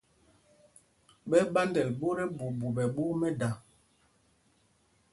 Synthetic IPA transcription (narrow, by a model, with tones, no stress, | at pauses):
ɓɛ˦ɓa˦ndɛ˨lbo˦ɾɛ˦bu˨bu˨ɓɛ˨ɓo˦mɛ˦da˨